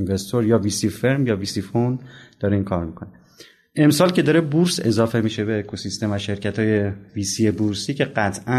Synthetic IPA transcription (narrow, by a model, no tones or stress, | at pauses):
nvest̪ʰoɾjɒːviːsifeɾmjɒːviːsifond̪d̥̪ɒːɾiŋkʰɒːɾmikʰo̞ne | e̞msɒːlcʰe̞d̪ɒːɾebuɾse̞zɒːfe̞miːʃe̞beːkʰo̞sist̪e̞mvæʃe̞ɾcʰæt̪hɒːje̞viːsiebuɾsiːcʰe̞ɢæt̪ʰʔæ